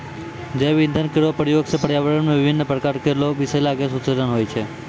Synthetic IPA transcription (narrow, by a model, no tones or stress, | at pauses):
d͡ʒeʋind̪ʱənkeɾʋopɾjoɡsepəɽjaʋəɾəɳmẽʋɪʋʱinːəpɾəkaɾkeɾloʋɪselaɡesut̪səd̪ənɦojt͡ʃʰe